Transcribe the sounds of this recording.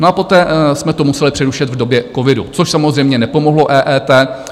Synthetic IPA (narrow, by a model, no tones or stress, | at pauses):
noapo̞t̪ɛːsmɛt̪omusɛlɪpr̝̥ɛɾuʃɛt̪vdo̞bjɛkovɪdṵt͡soʃsamozr̝ɛjmɲɛnɛpo̞moɦlo̞ʔɛːʔɛːt̪ɛː